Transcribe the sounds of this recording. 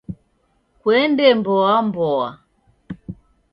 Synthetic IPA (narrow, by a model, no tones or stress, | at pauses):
kwɛndɛmbɔambɔa̰